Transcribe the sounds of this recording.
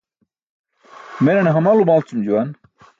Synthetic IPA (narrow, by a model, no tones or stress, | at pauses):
menɐneɦɐmalumalt͡sumd͡ʑuwan